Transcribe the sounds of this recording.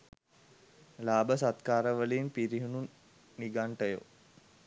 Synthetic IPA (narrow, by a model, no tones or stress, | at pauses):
laːbəsat̪kaːɾəʋəliːmpiɾiɦunun | niɡaɳʈəjo̰